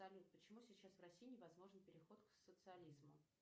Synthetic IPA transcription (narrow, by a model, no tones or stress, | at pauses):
ɐlʲut̪̚pət͡ɕɪmusʲɪt͡ɕːasvrɐsʲijɪnʲɪvɐzmo̞ʐnpʲɪɾʲɪxo̞t̪ksət̪sɨɐlʲizmʊ